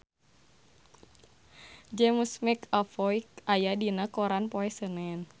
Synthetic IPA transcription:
d͡ʒɛmusmɛkafɔikajadinakɔɾanpɔɛsənɛn

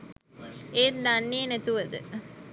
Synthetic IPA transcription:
et̪d̪anːinet̪uʋəd̪ə̰

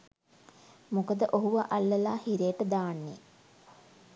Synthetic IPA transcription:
mukəd̪əʔoɦuʋaʔalːəlaːhiɾeːʈəd̪aːnːe

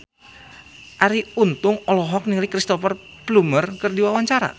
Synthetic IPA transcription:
ʔaɾiunt̪ʊŋɔlɔɦɔk̚nilikɾist̪ɔfər | plumərkɨrdiwawaɲt͡ʃaɾa̰

